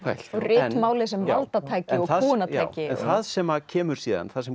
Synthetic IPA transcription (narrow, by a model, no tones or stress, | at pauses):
fʰa̰jl̥ɔɣrɪːmaːwlɪs̬ɛmvalt̪at̪ʰaːjcɪɔɣθðuːnat̪aaːjwcɪnθθaðsɛmacʰɛːmʏɾ̥siːða̰nθaðsɛm